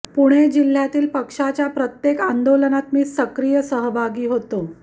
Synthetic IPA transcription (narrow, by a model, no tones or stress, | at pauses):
puɽ̃ed͡ʑil̤ːjat̪iːlpəkʂat͡ɕjapɾət̪jekand̪olənat̪miːsəkɾijəsəɦəbʱaɡiːɦot̪o